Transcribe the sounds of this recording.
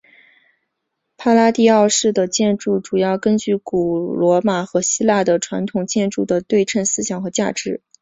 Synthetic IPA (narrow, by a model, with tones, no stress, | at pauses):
pʰa˥la˥t̪i˥˧ɑ˥˧ʊʂɻ̩˥˩d̪ə˩t͡ɕjɛ˥˧nʈ͡ʂu˥˩ʈ͡ʂu˨˩jɑ˥˩ʊkə˥nt͡ɕy˥˩ku˨˩lwɔ˧˥ma˨˩xɤ˧˥ɕi˥la˥˩d̪ə˩ʈ͡ʂʰwa˧˥nt̪ʰʊ˨˩ŋt͡ɕjɛ˥˧nʈ͡ʂu˥˩d̪ə˩t̪we˥˧ɪʈ͡ʂʰə˥˩nsɹ̩˥ɕjɑ˨˩ŋxɤ˧˥t͡ɕja˥˩ʈ͡ʂɻ̩˧˥